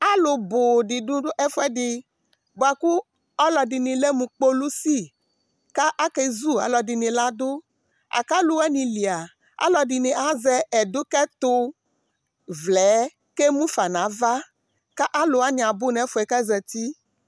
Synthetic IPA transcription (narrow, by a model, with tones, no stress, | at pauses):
a˦lo˨bo˨di˨dũ˦ɖʊ˦ʔɛ˦fɛ˦dɪ˨ | bo˨a˨ku˦ | ɔ˦lɔ˨di˨nĩ˨le˦mũ˨k͡po˦lu˦si˦ | ka˦ʔa˦kɛ˦zu˦a̰˨lɔ˨di˨nĩ˨la˦dʊ˦ | a̰˨ka˦lu˦wɛ˦nĩ˨li˨a˨ | a̰˦lɔ˨di˨nĩ˨ʔa˦zɛ˦ɛ˨dʊ˦kɛ˦t̪ʊ˦ | vlɛ˨˦ | ke˦mũ˦fa˨nã˨˦va˦ | ka˦ʔa˦lo˨a˦nĩ˨a˨bʊ˦nɛ˨˦fʊ˨˦ɛ˨kɛ˦zɛ˨t̪i˦